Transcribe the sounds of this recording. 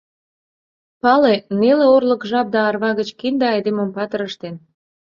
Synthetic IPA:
pɑleneleorləkʒɑp̚d̪ɑːrβɑɣət͡ɕkind̪eɑjd̪eməmpɑt̪əɾəʃt̪en

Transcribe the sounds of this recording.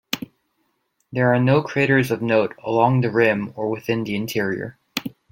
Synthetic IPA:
ðə˞aɹnoʊkʰɹ̥eɪɾə˞zʌvnoʊɾə̰lɔ̃ŋðɨɹɪ̃mə˞wɨθɪ̃nðiɨ̃ntʰɪɹiə̰˞

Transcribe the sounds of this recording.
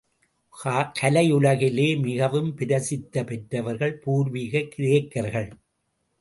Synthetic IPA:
kaːkʰɐlɐjʊlɐɣɪleːmɪɣɐʋɯmpɪɾɐsɪt̪ːɐpɛʈrɐʋɐɾɣɐɭpuːɾʋiːɣɐkːɪɾeːkːɐɾɣɐɭ

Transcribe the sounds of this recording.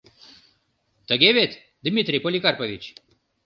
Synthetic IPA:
t̪əɡʲevet̪ | d̪imʲit̪ɾipolʲikaɾpɐvit͡ɕ

